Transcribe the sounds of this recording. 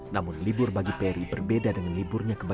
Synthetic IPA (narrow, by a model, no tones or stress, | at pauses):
namʊnlibʊrbaɡipeɾibərbedadəŋanlibʊrɲakəba